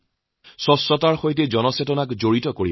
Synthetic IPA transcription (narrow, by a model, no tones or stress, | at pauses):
sɔsːɔtaɹxojt̬ɛzɔnɔsetɔnakzoɹitɔkoɹḭ